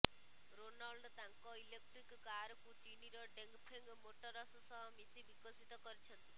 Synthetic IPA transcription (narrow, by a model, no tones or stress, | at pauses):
ɾonɔlɖt̪aŋkɔilek̚ʈɾikːaɾɔkut͡ʃiniɾɔɖeŋkpʰeŋɡmoʈɔɾɔsɔsɔɦɔmisibikɔsit̪ɔkɔɾit͡ʃʰɔnt̪i